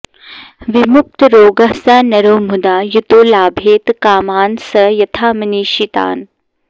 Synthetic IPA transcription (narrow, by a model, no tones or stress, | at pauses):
ʋimuk̚t̪ɾoːɡɐsaːnɐɾoːmud̪aːjut̪oːlaːbʱeːt̪kaːmaːnsɐjɐt̪ʰaːmɐniːʃit̪a̰ːn